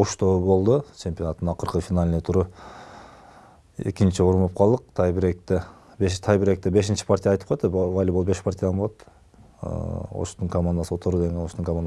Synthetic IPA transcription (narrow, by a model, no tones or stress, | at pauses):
oʃt̪obo̞lˠd̪ut͡ʃʰe̞mʲpʲjo̞nat̪ːɯnɑqɯɾqɯfʲinalʲnet̪ʰuɾu | ḛkint͡ʃioɾumop̚qʰɑlˠd̪ɯq̚t̪ʰɑjbiɾek̚t̪e | beʃt̪ʰɑjbiɾe̞k̚t̪ebe̞ʃ̬int͡ʃi̥pʰaɾrt̪ʲijɑjt̪ɯ̥p̚qojt̪ːeɑjlʲbolˠupbe̞ʃpaɾrt̪ʲɪjd̪anboot̪ | o̰ʃt̪uŋkomand̪aso̞t̪ʰoɾud̪eŋɡenoʃt̪uŋkomand̪